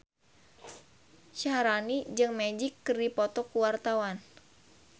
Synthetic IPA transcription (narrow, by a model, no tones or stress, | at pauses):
ʃaɾanid͡ʒɨŋmed͡ʒikːɨrdipɔt̪ɔkuwart̪awan